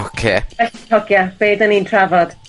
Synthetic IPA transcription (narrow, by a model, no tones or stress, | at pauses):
okʰeːbɛɬitʰɔɡjab̥eːdənintʰravɔd̥